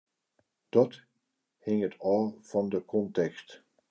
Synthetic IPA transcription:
d̥ɑt | hɪŋətʰɔlˠv̥ɑndəkʰɔntɛkst

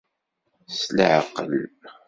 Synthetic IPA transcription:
slʕə̰qːəl

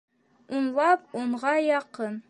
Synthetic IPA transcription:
unlˠɑpuɴʁɑjɑqɤn

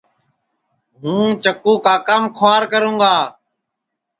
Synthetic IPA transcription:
ɦũːt͡ʃəkuːkaːkəmkʰʋaːɾkəɾũːɡaː

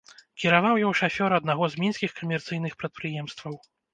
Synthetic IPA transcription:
kʲiɾavawjɔwʂafʲɔɾɐd̪naɣɔzmʲinsʲkʲixkɐmʲɛrt̪sɨjnɨxpɾɐt̪̚pɾɨjɛmst̪vɐw

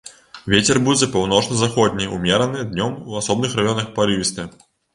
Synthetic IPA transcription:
vʲet͡sʲɛrbuzɐpawnɔt͡ʂnɐzaxɔd̪ʲnʲijumʲɛɾɐnɨd̪nʲɔmuasɔbnɨxrajɔnɐxpaɾɨvʲist̪ɛ

